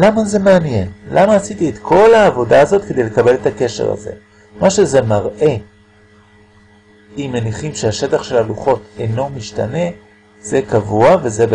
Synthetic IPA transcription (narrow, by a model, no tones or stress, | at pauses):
lamaze̞meanje̞nlʔamaːsitiet̪kʰo̞laːvo̞daːzo̞t̪ke̞d̪ejlekabe̞letake̞ʃe̞̰ʁa̰zḛ | maʃe̞zemaʁʔe̞ | imːeniχimʃeaʃe̞taχʃe̞laluχo̞teno̞miʃta̰ne̞ | z̥e̞kavuavezeb